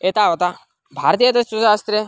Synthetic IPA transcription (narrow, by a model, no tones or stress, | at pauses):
et̪aːʋɐt̪a | bʱaːɾt̪ijɐt̪ɐst͡ʃuzaːst̪ɾe